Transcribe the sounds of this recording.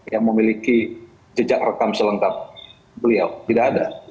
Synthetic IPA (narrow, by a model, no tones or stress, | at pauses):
jaŋməmiliki | d͡ʒəd͡ʒak̚rəkamsələŋkap̚ | bəliawt̪idaːda